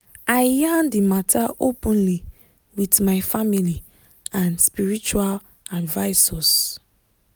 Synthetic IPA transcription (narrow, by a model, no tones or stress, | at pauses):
aɪjãndimatʰaʔopɔ̃nli | witmaɪfamili | ãnspiɹit͡ʃual | advaɪsɔs